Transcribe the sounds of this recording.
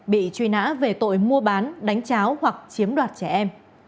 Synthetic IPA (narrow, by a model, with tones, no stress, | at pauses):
ɓḭ˧˨t͡ɕwi˧na̰ː˧˥ve˨˩t̪o̰˧˨jmu˧əɓaː˨˦nɗa˨˦jŋ̟t͡ɕaː˨˦whwa˨˩k̚t͡ɕi˨˦əmɗwaː˨˩t̚t͡ɕɛ˧˩ʔɛ˧m